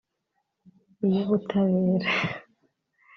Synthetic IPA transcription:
ijoβutʰaβeːɾa

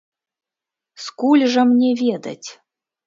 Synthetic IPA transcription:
skulʲʐəmnʲevʲed̪a̰tʲ

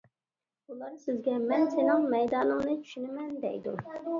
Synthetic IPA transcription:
ulˠɑɾsɪzɡʲɛmɛnsenɪŋmɛjd̪ɑːlɨŋnɨt͡ʃʰy̥ʃynɪmɛnd̪ɛ̰jd̪ṵ

